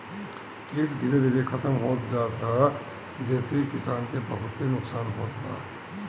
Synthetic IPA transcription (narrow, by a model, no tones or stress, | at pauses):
kiːʈd̪ʱiːɾed̪ʱiːɾekʰɐt̪əmɦoːt̪d͡ʒaːt̪ɦa | d͡ʒɛːsekɪsaːnkebɐɦʊt̪ːenʊksaːnɦoːt̪ɦa̰ː